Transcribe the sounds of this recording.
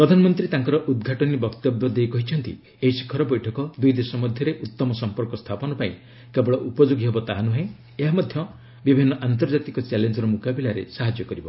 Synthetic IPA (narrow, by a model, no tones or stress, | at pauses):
pɾɔd̪ʱanɔmɔnt̪ɾit̪aŋkɔɾɔʔud̪̚ɡʱaʈɔnibɔkt̪ɔbjɔd̪ejkɔɦit͡ʃʰɔnt̪ḭ | eɦisi̥kʰɔɾɔbɔjʈʰɔkɔd̪ujd̪esɔmɔd̪ʱjɔɾeʔut̪ːɔmɔsɔmpɔɾkɔst̪ʰapɔnɔpaĩ | kebɔɭɔʔupɔd͡ʒoɡiɦebɔt̪aɦanuɦẽ | eɦamɔd̪ʱjɔ | bibʱinːɔʔant̪̬ɔɾd͡ʒat̪ikɔt͡ʃalend͡ʒɔɾɔmukabilaɾḛsaɦad͡ʒjɔkɔɾibɔ